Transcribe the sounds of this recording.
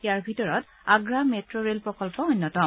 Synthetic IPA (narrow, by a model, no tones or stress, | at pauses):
jaɹbʱitɔɹɔt | aɡɹametɹɔɹelpɹɔkɔlpɔɔnːɔtɔm